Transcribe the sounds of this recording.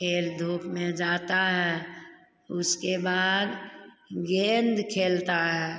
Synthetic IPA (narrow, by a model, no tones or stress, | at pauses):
kʰeːld̪ʱuːpmẽd͡ʒaːt̪aɦɛː | ʊskebaːd̪ | ɡẽːnd̪kʰeːlt̪aɦɛː